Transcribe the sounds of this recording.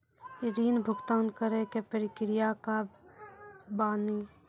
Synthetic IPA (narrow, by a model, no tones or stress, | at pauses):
ɪɾiːnbʱʊɡt̪aːnkəɾekepəɾɪkɾɪjaka | baːniː